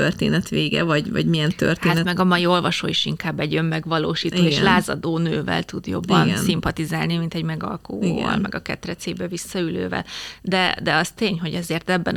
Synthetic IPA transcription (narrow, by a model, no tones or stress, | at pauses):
ørt̪eːnɛt̪ʋeːɡɛ̰vɒɟvɒ̰ɟmijɛnt̪ø̰rt̪eːant̪mɛɡɒmɒjio̞lvɒʃoːiʃiŋkaːbːɛɟø̞mmɛɡvɒloːʃiːt̪oːeːʃlaːzɒ̰d̪oːnøːvɛ̰lt̪ud̪jo̞̰bːɒnsnimpɒt̪izaːlnimint̪ɛɟmɛɡɒ̰lkohoḭlvɒ̰lmɛ̰ɡɒkɛ̰t̪rɛt̪seːbɛvisːɒylø̰ːvɛ̰ld̪ɛd̪ɛɒst̪eːɲɦo̞ɟɛzeːrt̪ɛbːɛn